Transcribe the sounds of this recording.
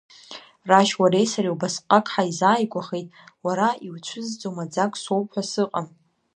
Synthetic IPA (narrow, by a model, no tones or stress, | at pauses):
raʃwaɾe̞jsaɾiwbasqʼakʼħaizaːjɡʷaχe̞jtʼwaɾaiwt͡ʃʷʰɨzd͡zowmad͡zakʷʼsowpħʷᶣasɨqʼam